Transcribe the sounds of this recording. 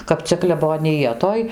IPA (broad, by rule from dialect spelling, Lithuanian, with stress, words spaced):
kɐp ˈt͡sʲɛ klʲɛboːnʲɪˈjɛ ˈtoːj